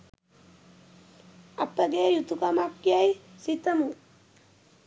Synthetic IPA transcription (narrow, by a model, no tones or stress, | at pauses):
apːaɡejut̪ukamap̚kjaisit̪amu